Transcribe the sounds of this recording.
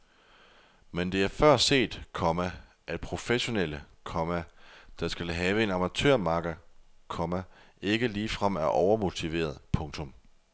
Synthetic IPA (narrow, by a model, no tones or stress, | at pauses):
mend̥e̝æɐfɶɐ̰se̝̰ːd̥kʰɒ̽mæ | ʔæ̥pʰʁo̝feɕo̝nel̰ə | kʰɒ̽mæd̥ɑ̈sɡ̥ælɦɛːʋəe̝nɑ̈mæt͡sʰø̰ɐ̰mɑ̈ːɡ̥ɐkʰɒ̽mæ | e̝ɡ̥əliːfʁɑm̰æɐʔɒʊɐmo̝t͡sʰiʋe̝̰ːɐð̞ˠpʰɔ̽ŋt͡sʰɔ̽m